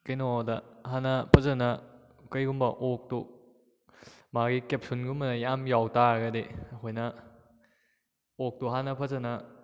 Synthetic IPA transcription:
kɐjnɔdɐɦanɐpʰɐzɐnɐ | kɐjɡumbɐʔok̚tu | maɡikep̚sunɡumbɐnɐjamjawtaɡɐdeɐkʰojnɐ | ok̚tuɦanɐpʰɐzɐnɐ

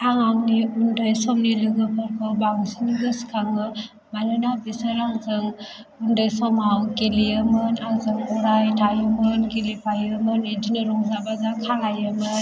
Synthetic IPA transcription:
aŋaŋniundɯjsɔmnilɯɡɯpʰɔɾkʰɔbaŋsiniɡɯskʰaŋɯ | malɯnabisaɾaŋzɯŋ | undɯjsɔmawkelijɯmɯnaŋzɯŋpɔɾajtʰajɯmɯnkelipajɯmɯned͡ʒinɔɾɔŋzabazakʰalajɯmɯn

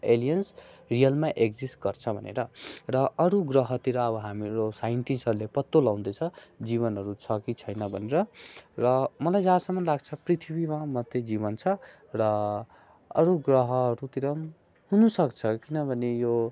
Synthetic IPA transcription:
elijʌnsrijʌlmaʔek̚d͡zisʈɡʌrt͡sʰʌbʱʌnḛɾʌrʌʌɾuɡrʌɦʌt̪iɾʌʌbʌɦamiɾosajiɳʈisʌɾulepʌt̪ːolaw̃d̪ʌt͡sʰʌd͡ziβʌnɦʌɾut͡sʰʌkit͡sʰʌjnʌbʱʌneɾʌrʌmʌlajd͡zãsʌmʌnlaɡt͡sʰʌprit̪ʰibimamʌd̪jed͡ziβʌnt͡sʰʌ | rʌ | ʌɾuɡrʌɦʌːɾut̪iɾʌm | ɦunusʌkt͡sʰʌkinʌbʱʌnejo

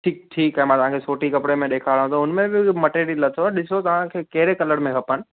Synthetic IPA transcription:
ʈʰiːk̚ʈʰiːkaɦɛmãːt̪ɐʋ̤ãkʰesoːʈikɐpɽemẽɗ̪eːkʰaɽɦũt̪oʊnmẽbɪmɐʈeːɾilɐt̪ʰoɗɪsot̪ɐʋ̤ãkʰeːkɐɦɪɾekɐləɽmẽɦɐpənɪ̆

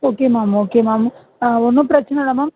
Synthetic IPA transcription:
oːkeːmaːmoːkemaːm | ɔnːɯ̃pɪɾɐt͡ʃːɐnɐɽɐmaːm

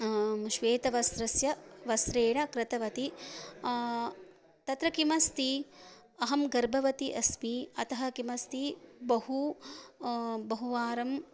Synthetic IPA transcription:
ʃʋeːt̪ɐʋɐsɾɐsjɐʋɐsɾeːɳɐkɾɪt̪ɐʋɐt̪i | t̪ɐt̪ɾɐkimɐst̪i | ɐɦɐmɡɐɾbʱɐʋɐt̪iʔɐsmiɐt̪ɐɦɐkimɐst̪ibɐɦu | bɐɦuʋaːɾɐm

